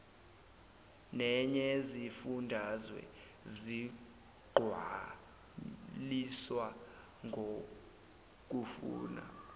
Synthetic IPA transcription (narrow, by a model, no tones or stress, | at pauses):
nɛɲezifundʱazwɛ̰ | zi | ɡ͡ǃʱwa | liswa | ŋɡʱo | k̬ʼufṵːna̰